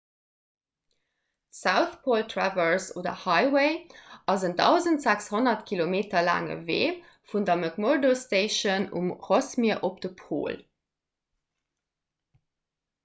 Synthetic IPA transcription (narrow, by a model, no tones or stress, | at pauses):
saʊθpʰoːltʰravəɹso̰ːdɐ̰hɑɪweɪʔɑzəndɑʊzəntz̥ækshonɐtkʰilomeːtɐla̰ːŋə̰vḛː | fundɐməkmoɹdosteɪʃənṵmʁosmiɐʔop̚d̥əpʰo̰ːl